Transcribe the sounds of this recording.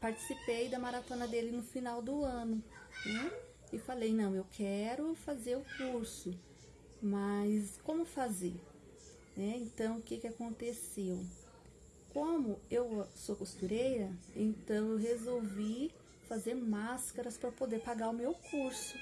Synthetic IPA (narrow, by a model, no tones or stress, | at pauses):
paɾt͡ʃi̥sipejd̪ɐmaɾat̪õnɐd̪elɪnʊfinawd̪ʊɐ̃nʊnɛ | ɪfalejnɐ̃w̃ewkʰɛɾʊfazeɾʊkuɾsʊ | mɐskõmʊfazeɾ | nɛẽnt̪ɐ̃w̃ʊkɪkɪakõnt̪esew | kõmʊewsokost̪uɾejɾɐẽnt̪ɐ̃w̃ewɦezowvi | fazeɾmaskɐɾɐspɾɐpod̪eɾpaɡaʊmewkuɾsʊ